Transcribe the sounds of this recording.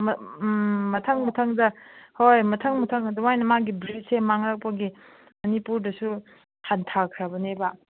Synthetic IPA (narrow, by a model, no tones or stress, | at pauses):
m | mɐtʰaŋmɐtʰaŋdɐhojmɐtʰaŋmɐtʰaŋɐduwajnɐmaɡibɾitsemaŋɾak̚pɐɡi | mɐnipuɾdɐsu | hantʰakʰɾɐbɐneba